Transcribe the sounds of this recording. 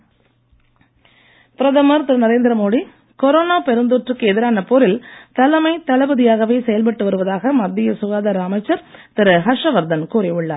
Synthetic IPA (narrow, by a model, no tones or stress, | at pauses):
pɪɾɐðɐmɐɾt̪ɪɾɯnɐɾeːnd̪ɪɾɐmoːɽi | kɔɾoːnaːpɛɾɯnd̪oːʈrɯkːɯɛðɪɾaːnɐpɔɾɪlt̪ɐlɐmɐɪt̪ːɐɭɐbɐðɪjaːɣɐʋeːsɛjɐlp̬ɐʈːɯʋɐɾɯʋɐðaːɣɐmɐd̪ːɪjɐsʊɣaːðɐɾaːmɐɪt͡ʃːɐɾt̪ɪɾɯɦɐʂɐʋɐɾd̪ɐnkuːɾɪʊɭːaːɾ